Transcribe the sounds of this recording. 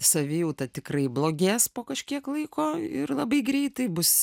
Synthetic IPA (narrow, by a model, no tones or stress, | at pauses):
sɐʋʲɪjɛʊt̪ɐt̪ʲɪkrɐɪblˠoːɡʲeːspoːkɐʃʲkʲiɛklˠɐɪkoːɪrlˠɐbɐɪɡɾʲɛɪt̪ɐɪbʊs